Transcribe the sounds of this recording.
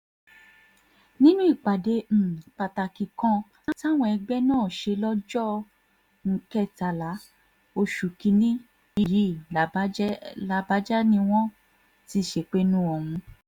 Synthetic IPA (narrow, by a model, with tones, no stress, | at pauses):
nĩ˦nũ˦i˦˨k͡pa˨de˧˦m̩˨k͡pa˨ta˨ki˨kã˧˦ | ta˦˨w̃ɔ̃˧ɛ˧ɡ͡bɛ˦nãː˦˨ʃe˧lɔ˦d͡ʒɔ˦ | ŋ̩˧kɛ˦˨ta˨la˨˦ | o˧ʃu˨kĩ˧˦nĩ˦ | i˧ji˨˦˨la˧ba˨˦d͡ʒɛ˦nĩ˦w̃ɔ̃˦ | ti˦˨ʃe˧˨k͡pe˦nũ˦ɔ˨hũ˧